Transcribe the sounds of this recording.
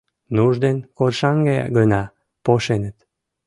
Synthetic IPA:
nuʒd̪enkorʃɑŋɡɑjɑ̰ɡənɑ | poʃenət̪

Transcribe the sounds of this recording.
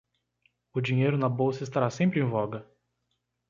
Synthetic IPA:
ʊd͡ʒĩɲejɾʊnɐbowsɐɪst̪aɾasẽmpɾɪẽj̃vɔɡɐ

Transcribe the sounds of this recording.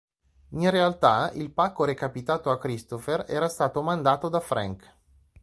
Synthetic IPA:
inrealt̪ailpakːoɾekapit̪aːt̪oakːɾist̪oferɛ̰ːɾast̪aːt̪omand̪aːt̪od̪afɾa̰ŋk

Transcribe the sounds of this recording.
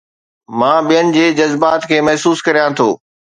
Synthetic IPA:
mãːɓijənɪ̆d͡ʑeːd͡ʑɐzbaːt̪kʰeːmɐɦsuːskɐɾijãt̪ʰoː

